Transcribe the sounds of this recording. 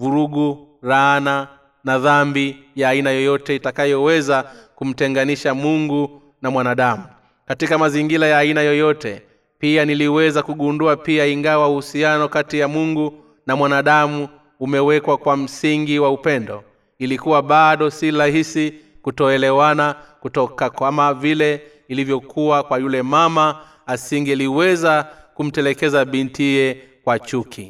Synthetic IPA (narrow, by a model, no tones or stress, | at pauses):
vuɾuɠu | ɾaana | naðambijaːinajɔjɔtɛitakajɔwɛzakum̩tɛŋɡaniʃamuŋɡu | namwanaɗamu | katikamaziŋɡilajaːinajɔjɔtɛ̰ | pianiliwɛzakuɠunduapiaiŋɡawauhusianɔkatijamuŋɡu | namwanaɗamuː | mɛwɛkwakwam̩siŋɡiwaupɛndɔ | ilikuwaɓaɗɔsiɾaɦisikutɔɛlɛwanakutɔkakwamavilɛ | ilivjɔkʰuwakwajulɛmama | asiŋɡɛaliwɛzakum̩tɛlɛkɛzaɓintiijɛ | kwat͡ʃukʰi